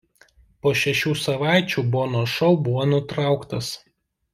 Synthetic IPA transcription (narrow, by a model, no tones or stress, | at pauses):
poːʃʲɛʃʲuːsɐʋɑˑɪt͡ʃʲuːboːnoːʃɔʊbʊʋoːnʊt̪ɾɑˑʊkt̪ɐs